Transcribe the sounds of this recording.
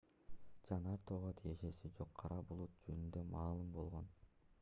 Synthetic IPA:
d͡ʒɑnɑɾt̪oːʁot̪ʰije̞ʃe̞sid͡ʒo̞qʰːɑɾʔɑbulˠut̪̚d͡ʒønynd̪ømɑːlˠɯmbo̞lˠʁo̞n

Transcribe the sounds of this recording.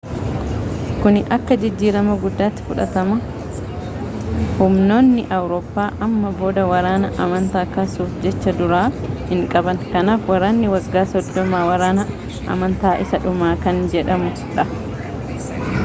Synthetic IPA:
kʊnɪʔɐkːɐd͡ʒɪd͡ʒːiːɾɐmɐɡʊd̪ːaːt̪ːɪ̥fʊᶑɐ̰t̪ɐmɐ | hʊmno̞ːnːɪʔɐwɾoːpːaːʔɐmːɐbo̞ːd̪ɐwɐɾaːnɐʔɐmɐnt̪aːkɐsuːfd͡ʒɛt͡ʃːɐd̪ʊɾaːhɪŋkʼɐbɐŋkɐnaːfwɐɾaːnːɪwɐɡːaːsɔd̪ːɔmaːwɐɾaːnɐ | ʔɐ̰mɐnt̪aːʔɪsɐᶑʊmaːkɐnd͡ʒɛᶑɐmʊ | ᶑɐ

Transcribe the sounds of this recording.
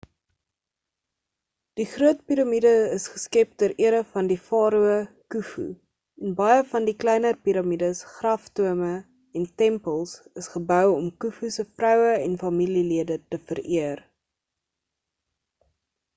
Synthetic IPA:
d̥iχruətpiɾɐmidəəsχəskɛp̚dəəʔiəɾəfɐndifɑːɾuə | kufṵ | ɛnbɐjəfɐndiklɛjnərpiɾɐmidəsχrɐftuəmə | ɛntɛmpəlˠsəsχəbœwɔmkufusəfrœwəɛnfɐmililiədətəfəɾiər

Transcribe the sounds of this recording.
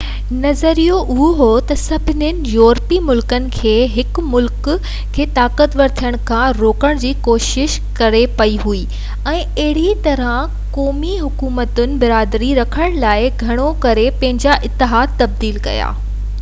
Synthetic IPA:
nɐzəɾijoʔʊɦoɦot̪ɐsɐbʱɪnɪnɪ̆jɔːɾpimʊlkənɪ̆kʰeːɦɪkmʊlk | kʰeːt̪aːkət̪ʋɐɾt̪ʰijəɽ̃kʰãɾoːkəɽ̃d͡ʑiːkoːʃɪʃ | kɐɾepɐiɦui | ɛ̃ː | ɐɦɪɽit̪ɐɾə̃ | kɔːmiɦʊkuːmət̪ʊnɪ̆bɪɾaːd̪ɾiɾɐkʰəɽ̃laːɪɡʱɐɽ̃okɐɾepɐ̃ɦɪ̃ɲd͡ʑaʔɪt̪ːɪɦaːd̪̚t̪ɐb̚d̪iːlkɐ̰ja̰ː

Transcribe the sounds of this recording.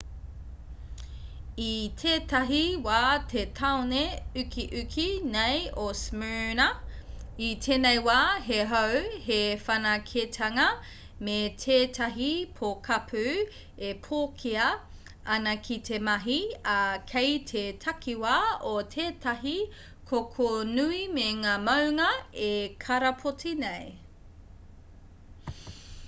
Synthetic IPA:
itʰeːtɐɦiwaːtʰetʰawneʉkʰiʔʉkʰinejosmɛɹnɐ | itʰeːnejwaːɦeɦowɦefɐnɐkʰetʰɐŋɐ | metʰeːtʰɐɦipʰokʰɐpʰʉ | epʰoːkʰiɐ | ɐnɐkʰitʰe̞mɐɦiɐkʰejtʰetʰɐkʰiwaotʰeːtʰɐɦi | kʰokʰonuimeŋaːmɐwŋɐekʰɐɾɐpʰotinej

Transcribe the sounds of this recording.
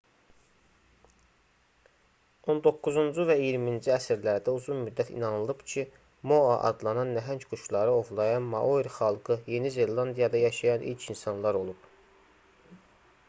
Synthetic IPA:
o̞nd̪o̞kːuzund͡ʒuvæijiɾmind͡ʒiæsiɾlæɾd̪æuzunmyd̪ːæt̪ʰḭnɑnɯlˠɯb̥cʰi | mo̞ɑʔɑ̰d̪lˠɑnɑnːæɦæɲcɡ̥uʃlˠɑɾɯo̞vlˠɑjɑnmɑʔoiɾχɑlˠɡɯje̞nize̞lˠɑnd̪ijɑd̪ɑjɑʃɑjɑnʔḭlcʰinsɑnlˠɑɾo̞lˠub̥

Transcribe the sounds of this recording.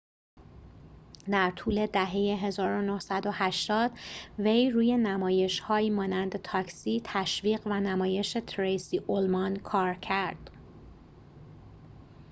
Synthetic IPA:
d̪æɾt̪ʰuːle̞d̪æɦe̞jeɦe̞zɒːɾo̞nohsæd̪o̞hæʃt̪ɒːd̪̥ve̞jruːje̞næmɒːje̞ʃhɒːiːmɒːnænd̪et̪ʰɒːcsiːt̪ʰæʃviːɢvænæmɒːje̞ʃe̞t̪ʰɾejsiːʔolmɒnkʰɒːɾcʰæɾd̪̥

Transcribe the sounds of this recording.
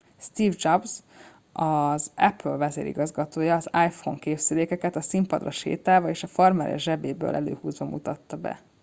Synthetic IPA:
st̪iːvd͡ʒɒbz | ɒzɛpølvɛzḛːɾʔḭɡɒzɡɒt̪oːjɒːzajfo̰ŋkeːbsyleːkɛkɛt̪ɒsimpɒd̪rɒʃḛːt̪aːvɒeːʃɒfɒrmɛɾʔɛ̰ʒɛbeːbø̰ːlʔɛlø̰ːhuːzʋɒmut̪ɒt̪ːɒbɛ̰

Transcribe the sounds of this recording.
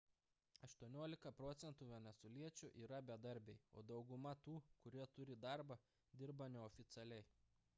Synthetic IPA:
ɐʃt̪uɔnʲoːlʲɪkɐpɾɔt̪sʲɛnt̪uːʋʲɛnʲɛsuɔlʲiɛt͡ʃʲʊʔiːɾɐbʲɛd̪ɐɾʲbʲɛɪoːd̪ɒʊɡʊmɐt̪uːkʊɾʲiɛt̪ʊɾʲɪd̪ɑˑɾbɐ | d̪ʲɪɾbɐnʲɛɔfʲɪt̪sʲɛlʲɛɪ

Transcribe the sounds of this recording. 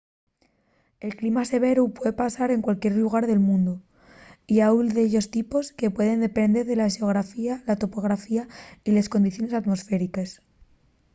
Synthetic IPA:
e̞lklimase̞β̞e̞ɾupwe̞ðepasaɾe̞ŋkwalkje̞ɾluɣ̞aɾðe̞lmũnd̪u | iaulðeʎo̞st̪ipo̞ske̞pwe̞ðe̞nd̪e̞pe̞nd̪e̞ɾðe̞laʃeoɣ̞ɾafialat̪o̞po̞ɣ̞ɾafiaile̞sko̞nd̪iθjo̞ne̞sat̪mo̞sfe̞ɾikes

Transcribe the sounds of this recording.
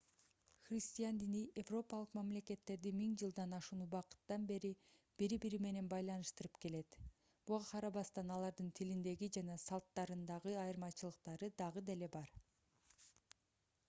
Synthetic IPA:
χrʲisʲt̪ʲijand̪iniʔevro̞pɑlˠɯqmɑmle̞ke̞t̪ːe̞ɾd̪imiŋd͡ʒɯlˠd̪ɑnɑʃunubɑqɯ̥t̪ːɑnbe̞ɾi | b̥iɾibiɾime̞ne̞nbɑjlˠɑnɯʃt̪ɯɾɯpke̞le̞t̪ | b̥uʁɑqʰɑɾɑβɑst̪ɑnɑlˠɑɾd̪ɯnt̪ʰilind̪e̞ɡid͡ʒɑnɑsɑlˠt̪ːɑɾɯnd̪ɑʁɯɑjɯɾmɑt͡ʃɯlˠɯq̚t̪ɑɾɯd̪ɑʁɯd̪ele̞bɑɾ

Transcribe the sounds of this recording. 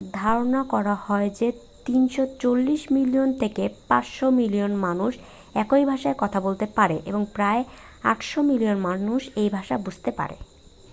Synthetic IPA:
d̪ʱaɾonakɔɾahɔed͡ʑe | t̪inʃot͡ɕolːiʃmilijont̪ʰekepaʃomilijonmanuʃ | ɛkojbʱaʃaekɔt̪ʰabolt̪epaɾeʔeboŋpɾae | a̰ʈʃomilionmanuʃejbʱaʃabud͡ʑʱt̪epa̰ɾḛ

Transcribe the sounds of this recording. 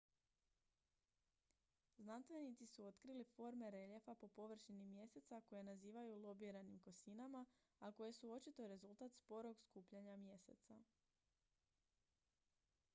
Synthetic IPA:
znanst̪ʋe̞nit̪sisuo̞t̪kɾilifo̞ɾme̞ɾe̞ʎefapo̞po̞ʋr̩ʃinimje̞se̞t̪sako̞jenaziːʋajulˠo̞biɾanimko̞sinama | ako̞je̞suo̞t͡ʃit̪o̞ɾe̞zulˠt̪at̪spo̞ɾo̞ɡskuːpʎaɲamje̞se̞̰t̪sa

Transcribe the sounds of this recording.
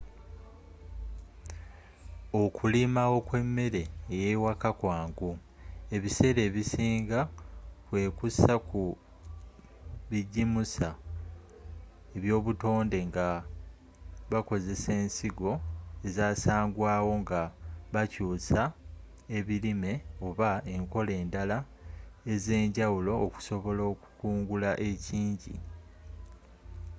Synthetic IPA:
o̞kʰulimawo̞kwe̞mːe̞ɾe̞ːjeiwakakwaːŋɡu | e̞βise̞ɾe̞ːβisiːŋɡakwe̞ːkusaku | βiɟimusa | e̞βjo̞ːβuto̞ːnde̞ŋɡa | βako̞ze̞se̞ːnsiɡo̞e̞zaːsaːŋɡwaːwo̞ŋɡaβacuːsa | e̞βilime̞o̞βae̞ŋko̞le̞ːndala | e̞ze̞ːɲɟawulo̞ːku̥so̞βo̞loːku̥kuːŋɡulaʔe̞ciːɲɟḭ

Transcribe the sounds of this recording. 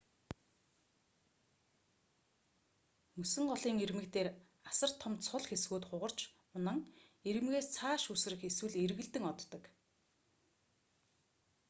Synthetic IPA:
mɵsɘ̆ŋɢɔɮiːŋermɘ̆kt̪eːr | asə̆r̥t̪ʰːɔmt̪sʰʊɮxesɣuːt̪χʊʁə̆r̥t͡ɕ | ʊnə̆ŋeɾɘ̆mɣeːst͡sʰaːʃus̆ɾɘ̆xeswɘ̆ɮerɣɘ̆ɮt̪ɘ̆ŋɔt̪ːɞ̆k

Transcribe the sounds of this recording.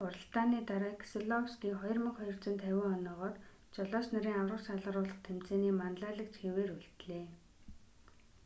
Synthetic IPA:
ʊrə̆ɬt̪aːniːt̪aɾaːkʰseɮɔwskiːχɔjɞ̆rmə̆χχɔjɞ̆r̥t͡sə̆nt̪ʰæwʲɪ̆ːŋɔnɔːʁɔːt̪ | t͡ɕɔɮɔːsnaɾiːŋawrə̆saɮə̆ɾʊːɮə̆χt̪ʰem̥t͡seːniːmanɮaːɮə̆kt͡ɕxeweːruɮt̪ɮeː

